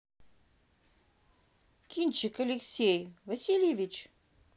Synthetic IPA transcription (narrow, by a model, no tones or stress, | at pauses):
kʲinʲt͡ɕɪkɐlʲeksʲejvɐsʲilʲjevʲit͡ɕ